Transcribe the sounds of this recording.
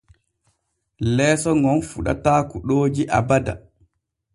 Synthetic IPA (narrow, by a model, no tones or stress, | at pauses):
lɛːsɔŋɔnfuɗa̰taːkuɗoːd͡ʒiʔa̰bada̰